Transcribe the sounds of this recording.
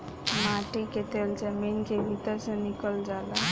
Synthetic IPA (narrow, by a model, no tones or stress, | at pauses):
mãʈiket̪eld͡ʒəminkebʱit̪əɾsə̃nikəld͡ʒala